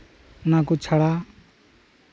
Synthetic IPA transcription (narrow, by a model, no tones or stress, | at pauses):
nakot͡sʰaɽa